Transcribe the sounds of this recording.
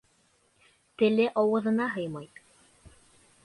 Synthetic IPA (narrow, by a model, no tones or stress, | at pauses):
t̪ɘ̆lɘʔɑwɤ̆ðɤ̆nɑɦɤjmɑj